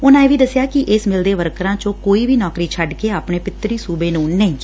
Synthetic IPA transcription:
ʊnãːeːʋiːd̪əsjaːkɪʔɪsmɪld̪eːʋəɾkɾãːt͡ʃõːkoːiːbʱiːnɔːkɾiːt͡ʃʰəɖkeːaːpɳeːpɪt̪ːɾiːsuːbeːnũːnɛĩ

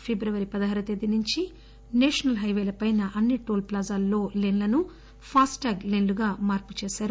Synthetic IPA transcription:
pʰebɾɐʋɐɾipɐd̪ɐɦɐɾɐt̪ed̪ːinuɲt͡ʃi | neːʂɐnɐlɦɐjʋeːlɐpɐjnɐʔɐnːiʈoːlplaːzaːlːo̞ːlenlɐnu | pʰaːsʈaːɡlenluɡaːmaːɾpu̥t͡ʃeːsaːɾu

